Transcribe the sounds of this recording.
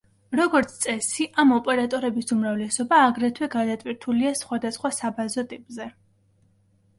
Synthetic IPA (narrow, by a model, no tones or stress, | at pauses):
ɾɔɡɔɾt̪sʰt̪sʼɛsiʔamɔpʼɛɾat̪ʼɔɾɛbisumɾavlɛsɔbaːɡɾɛt̪ʰwɛɡad̪at̪ʼwiɾt̪ʰuliasχwad̪asχwasabazɔt̪ʼipʼzɛ